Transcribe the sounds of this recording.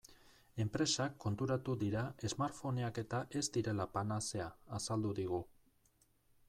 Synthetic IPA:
e̞mpɾe̞sakːo̞nt̪uɾat̪uðiɾae̞zmaɾfo̞neake̞t̪aʔe̞zd̪iɾe̞lapanase̞aːsald̪uðiɣ̞u

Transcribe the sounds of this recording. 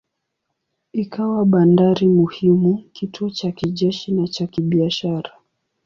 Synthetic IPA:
ikawaɓandaɾimuhimukituɔt͡ʃakiʄɛʃinat͡ʃakiɓiaʃaɾa

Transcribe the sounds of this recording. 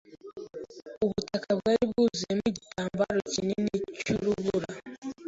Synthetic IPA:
uβutakʰaβwaːɾiβuzemucitʰaːmbaɾo̞cinenecuɾuβuɾa

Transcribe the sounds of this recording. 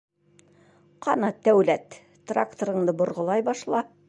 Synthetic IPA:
qɑnɑt̪æwlæt̪ː | ra̰kt̪oɾɤ̆ɴd̪ɤbŏɾʁɤ̆lˠɑjbɑʃlˠɑ

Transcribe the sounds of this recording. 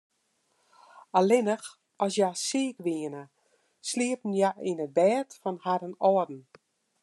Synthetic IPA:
alɪnəx | ɔsjasiəkʋiənə | sliəpn̩jaʔinəbɛːtfɔnhaɾənɔədn̩

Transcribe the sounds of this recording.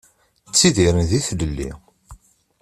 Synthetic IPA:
t͡sːiðiɾənðiθləlːḭ

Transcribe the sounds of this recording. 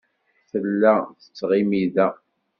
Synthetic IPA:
θəlːæθə̥t͡sːʁimiðæ

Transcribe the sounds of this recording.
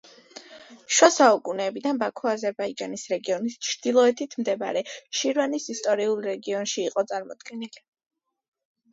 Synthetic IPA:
ʃwasaukʼunɛːbid̪anbakʰɔazɛɾbaid͡ʒanisɾɛɡiɔnist͡ʃʰɾd̪̥ilˠɔɛt̪ʰit̪ʰmd̪ɛba̰ɾɛʃiɾvanisist̪ʼɔɾiulˠɾɛɡiɔnʃiːqʼɔt̪sʼaɾmɔd̪̥ɡɛnili

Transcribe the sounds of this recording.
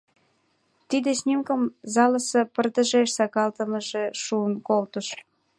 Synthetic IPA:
t̪id̪esʲnʲimkəmzɑləsəpərd̪ə̆ʒeʃsɑkɑlt̪əməʒeʃuənkolt̪əʃ

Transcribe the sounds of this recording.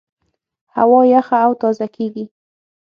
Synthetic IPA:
ha̰wɑjaxaːwt̪ɑzakeɡi

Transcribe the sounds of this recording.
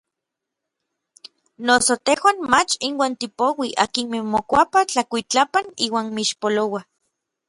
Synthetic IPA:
nosot̪ehwaːnmat͡ʃinwaːnt̪ipowiʔa̰kinmemokʷapat͡ɬakʷit͡ɬapaniːwaːnmiʃpolowa

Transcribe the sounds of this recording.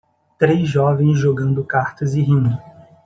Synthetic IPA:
t̪ɾejzʒɔvẽj̃zʒoɡɐ̃nd̪ʊkaɾt̪ɐzɪɦĩnd̪ʊ

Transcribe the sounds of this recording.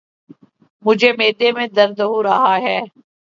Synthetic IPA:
mʊd͡ʒʱemeːd̪emẽd̪ɐɾd̪əɦoɾɐɦaɦɛː

